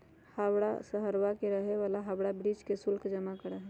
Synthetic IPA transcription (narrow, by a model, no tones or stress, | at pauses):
hawɽa̰səɦəɾʋakeɾəɦeʋalaɦabɽabɾid͡ʒkesulkʰd͡ʒəmakəɾɛɦ